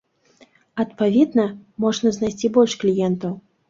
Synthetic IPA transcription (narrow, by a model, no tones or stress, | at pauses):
ɐt̪pavʲɛd̪nɐmɔʐnɐznajsʲt͡sʲibɔlʲʂklʲijɛnt̪ɐw